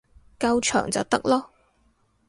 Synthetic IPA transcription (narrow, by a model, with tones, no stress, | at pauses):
kɐ˧wt͡ʃʰœ̰ː˨˩ŋt͡sɐ˨wt̪ɐ˥k̚lɔː˥